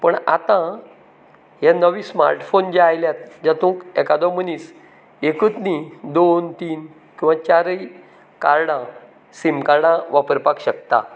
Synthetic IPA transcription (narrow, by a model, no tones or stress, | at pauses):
pəɳa̰t̪ã | ɦjanəʋisma̰ɾʈfond͡ʑeajljat̪̚d͡ʑat̪ũːkɛkad̪ɔmənis | ekət̪nid̪ont̪iːn | kĩw̃ʋãt͡ɕaɾəj | kaɾɽã | simkaɾɽãʋapəɾpakɕək̚t̪a̰